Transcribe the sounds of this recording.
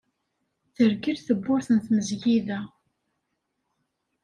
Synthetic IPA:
θəɾɡiɾθəbːʊɾθənθməzʝiðæ

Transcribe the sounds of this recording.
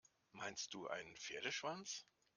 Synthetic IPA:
maɪnst̚d̥uːʔa̰ɪnənfeːɐdəʃv̥ant͡s

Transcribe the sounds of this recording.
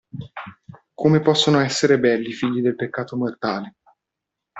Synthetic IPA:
kʰomepɔsːonoɛsːeɾebɛlːifiʎːid̪elpekːaːt̪omort̪aːle

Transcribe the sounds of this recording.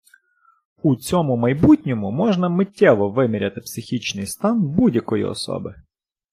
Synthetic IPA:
ut͡sʲɔmʊmɐjbutʲnʲɔmʊmɔʒnɐmɪtʲːɛʋɔʋɪmʲɪɾʲɐt̪ɪ̥psɪxʲit͡ʃnɪjst̪ɑnbudʲjɐkɔjḭɔ̰sɔ̰bɪ

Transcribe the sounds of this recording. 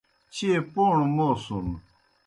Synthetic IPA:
t͡ɕʰipoɳmosun

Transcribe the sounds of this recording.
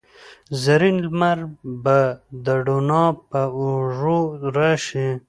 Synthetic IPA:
zɐɾinlmaɾbad̪əɖonɑpauʐoɾaʃi

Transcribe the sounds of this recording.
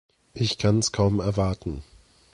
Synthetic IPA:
ʔɪçkʰanɛskʰaʊmɛɐvaɐtn̩

